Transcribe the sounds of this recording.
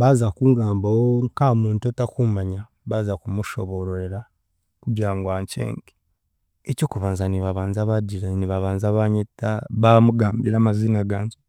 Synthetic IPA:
βazakuŋɡaːmbawoŋkamuːntuotakumaɲa | βazakumuʃoβoɾoɾeɾa | kuɟaːŋɡwaːɲcḛːŋɡi | eco̞ːkuβaːnzaniβaβaːnzaβadiɾaniβaβaːnzaβaɲetːaβamuɡaːmbiɾamaziːnaɡaːɲzo

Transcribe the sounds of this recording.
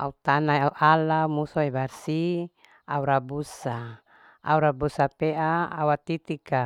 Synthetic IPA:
a̰ut̪anaauʔalamusɔɛbarsi | auɾabusa | a̰uɾabusapeʔa̰ːwat̪it̪ika

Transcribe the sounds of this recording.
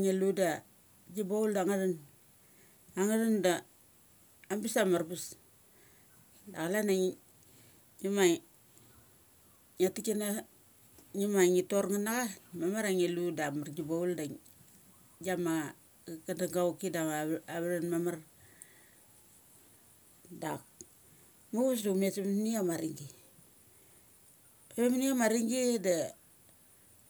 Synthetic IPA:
ŋeluda | d͡ʒibauldaŋadan | aŋadanda | mbisamarbus | daɣalanaŋ | ɲima | atikina | ɲimaŋitorŋanaɡamamaɾaŋeludamard͡ʒibaulda | d͡ʒama | kandaŋɡawkidamaβaɾenmamar | dak̚ | muɡus̬damesemniamaɾiŋɡi | emaniamaɾiŋɡida

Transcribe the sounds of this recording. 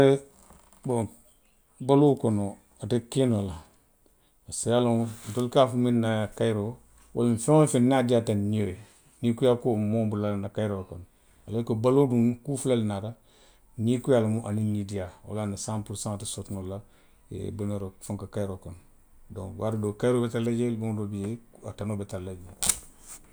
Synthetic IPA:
ɾe | boŋ | baloːkono | atekinola | asialontolkafuminnakajiɾo | wʔa̰lmfeŋofinnadiatanioje | nikujakomoːmbulanakajiɾokon | alekobaloduŋkuːfulalnaɾa | nikujalmuʔaninːidijao̰lanasãmpulsãŋatisotnola | ḛbunaɾofuŋkakajɾokon | dõ̰ŋwaɾudoːkajɾoːbetalad͡ʒelboŋdobijeatanoːbetalad͡ʒe

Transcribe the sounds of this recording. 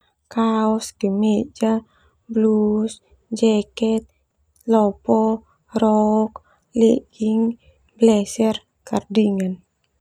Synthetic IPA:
kaɔsdimɛd͡ʒa | blus | d͡ʒɛkɛt̪̚ | lɔpɔ | rɔk | leɡiŋ | blɛsɛr | kardiŋan

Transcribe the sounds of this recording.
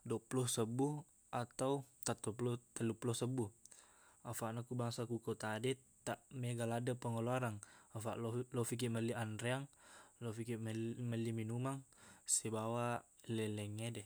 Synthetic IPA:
dɔʔplɔsəbuh | at̪aut̪at̪ɔp̬lɔt̪aluplɔsəbuh | afaʔnakubaŋsakukot̪adɛ | t̪aʔmɛɡaladapəŋɔloaɾaŋafaʔllɔfik̬iməlianɾɛaŋlɔfikimməliminumaŋsɛbawalɛlɛŋɛdɛ

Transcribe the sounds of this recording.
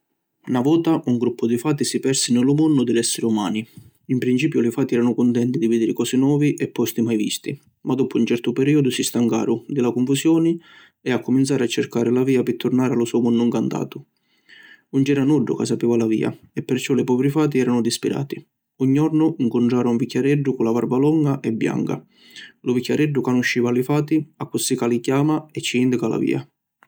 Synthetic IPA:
navɔːt̪aʔuŋɡɾupːʊd̪ifaːt̪isipɛrsinɪlʊmɔnːʊd̪ɪlɛsːɪɾɪuma̰ːni | impɾint͡ʃiːpjʊlɪfaːt̪iɛːɾanʊkʊnt̪ɛnt̪id̪ivid̪iɾɪkɔːsɪnwɔːviʔɛpːɔst̪imajvḭst̪i | mad̪ɔːpʊint͡ʃɛrt̪ʊpɛɾiːod̪ʊsist̪aŋka̰ːɾʊd̪ɪlakʊɱfusjɔːnɪ | eakːʊmint̪saːɾat͡ʃːerkaːɾɪlaviːapɪt̪ʰːʊrnaːɾalʊsɔmʊnːʊŋkant̪a̰ːt̪ʊ | und͡ʒɛɾanuɖːʊ̰kas̬ːapiːvalavḭːa̰ | ɛpːɪrt͡ʃɔlɪpɔːvɾifaːt̪̬iɛːɾanʊd̪ispiɾʔa̰ːt̪i | uɲːiɔrnʊiŋkʊnɳʈ̪ɾaːɾʊuɱvikʰʲːaɾɛɖːʊkʊnlavaɾbalɔŋɡaʔɛbːja̰ŋka̰ | lʊvikʲːaɾɛɖːʊkanʊʃːiːvalifaːt̪iakːusːikalikjaːmaɛt͡ʃːiind̪ikala̰vḭːa̰

